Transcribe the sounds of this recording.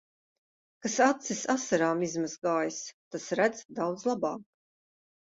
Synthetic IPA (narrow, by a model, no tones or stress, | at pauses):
kasat̪sisasaɾaːmizmazɡaːjst̪asɾæd̪z̥d̪awd̪zlˠabaːk